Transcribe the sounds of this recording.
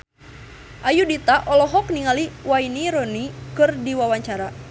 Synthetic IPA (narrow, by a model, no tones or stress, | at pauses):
ʔajudit̪aʔɔlɔɦɔk̚niŋaliwainiɾɔnikɨrdiwawaɲt͡ʃaɾa